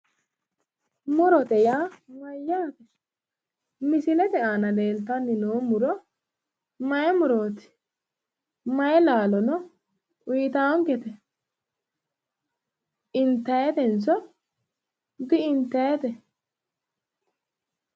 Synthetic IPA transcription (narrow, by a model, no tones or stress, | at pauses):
mʊɾɔt̪ɛjaːmɐjːaːt̪ɛ | mɪsɪlɛt̪ɛʔaːnɐle̞ːlt̪ɐnːɪnoːmʊɾɔ | mɐjɛmʊɾoːt̪ɪ̥ | mɐjɛlaːlɔnɔ | ʊjt̪aːɔŋkɛt̪ɛ | ɪnt̪ːɐjɛt̪ɛnt͡sːɔ | d̪ɪɪnt̪ːɐjɛt̪ɛ